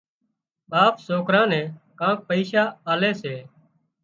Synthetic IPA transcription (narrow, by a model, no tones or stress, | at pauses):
ɓaːpsoːkɾãːnɛ̃ːkãːk̚pəiːʃaːaːleːseː